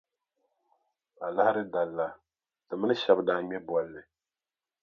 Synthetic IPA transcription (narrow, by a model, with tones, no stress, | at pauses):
a˨la˦ha˦ɾɨ˦da˨lːa˨ | tɨ˨mɨ˦nɨ˦ʃɛ˨bdaː˨ɲɛ˦bɔ˨lːɨ˨